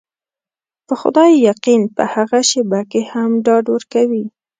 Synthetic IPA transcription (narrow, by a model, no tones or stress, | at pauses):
pəxʊ̰d̪ɑjːaqinpə̰haɣaʃɪbakehamɖɑɖwəɾkawi